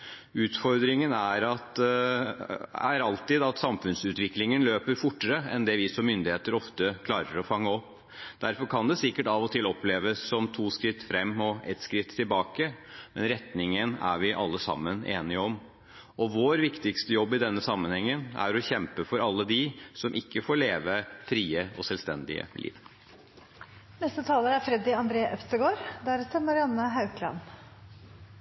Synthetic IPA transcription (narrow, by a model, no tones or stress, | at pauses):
ʉːt̪fɔɾd̪ɾɪŋənæɾɑt̪ | æ̰ɾɑlt̪ɪd̪ɑt̪sɑmfʉnsʉːt̪ʋɪklɪŋənløːpəɾfʊʈːəɾəɛnd̪ɛːʋɪsɔmːʏnd̪ɪheːt̪əɾɔft̪əkʰlɑːɾəɾɔfɑŋːəɔpː | d̪̥æɾfɔɾkʰɑnd̪ɛsɪkːəʈɑʋɔt̪ʰɪlɔpʰleːʋəsːɔmt̪ʰuːskɾɪt̪ːfɾɛmːɔʔɛ̰t̪skɾɪt̪ʰːɪlbɑːkəmɛnɾɛt̪nɪŋənæ̰ɾʋɪʔɑlːəsɑ̰mːənḛːnɪəɔm | ɔʋoːɾʋɪkt̪ɪkst̪əjɔbːɪd̪ɛnːəsɑmːənhɛŋːənæ̰ɾɔçɛmpəfɔɾɑlːəd̪ɪsɔmʔɪkːəfoːɭeːʋəfɾiːəɔsɛlst̪ɛnd̪ɪ̰ə̰lʔḭːʋ | nɛst̪ət̪ʰɑːləɾæɾfɾɛd̪ɪɑnd̪ɾeːʔœfst̪əɡoːɾd̪æɾst̪əmɑɾɪɑnːəɦɑʉklɑ̰n